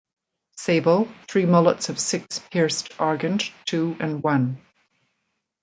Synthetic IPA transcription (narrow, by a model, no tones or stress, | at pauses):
sebəlˠθɹimɔlˠətsʌv̥sɪkspʰiɹstaɹɡə̃ndtʰʉːə̃nwʌ̃n